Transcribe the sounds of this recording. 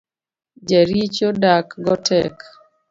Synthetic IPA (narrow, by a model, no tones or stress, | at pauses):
d͡ʒeɾit͡ʃodakɡɔtʰɛ̰k